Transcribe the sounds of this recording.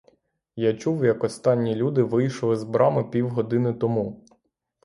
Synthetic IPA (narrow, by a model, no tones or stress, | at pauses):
jat͡ʃuwjɐkɔst̪ɑnʲːilʲud̪ɪʋɪjʃlˠɪzbɾɑmɪpʲiwɦɔd̪ɪnɪt̪ɔmu